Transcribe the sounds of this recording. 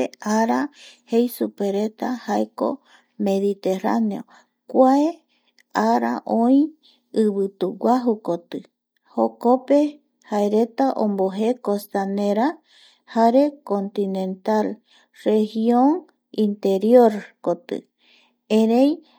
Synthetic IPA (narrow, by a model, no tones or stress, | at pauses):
eaɾahejsupeɾe̞t̪ahaeko̰ | me̞ðit̪e̞ra̰neo̰ | kʷae | aɾa̰ʔõĩ | ɨβɨt̪uwaɦukot̪ɨ | hokope̞ | haeɾe̞t̪aʔõ̰mboɦekost̪aneɾa | haɾe̞kont̪inẽ̞nt̪al | rehiõŋ | ĩnt̪e̞ɾjoɾkot̪ɨ̰ | ẽɾej